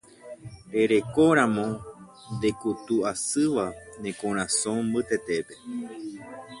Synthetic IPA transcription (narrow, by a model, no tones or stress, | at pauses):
ɾe̞ɾe̞ko̞ɾ̃ãmõ̞ | nd̪e̞kut̪uasɨʋanẽ̞kõɾ̃ãsõmbɨt̪e̞t̪e̞pe̞